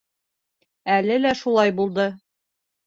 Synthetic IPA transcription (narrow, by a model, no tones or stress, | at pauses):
ælɘlæʃulˠɑjbulˠd̪ɤ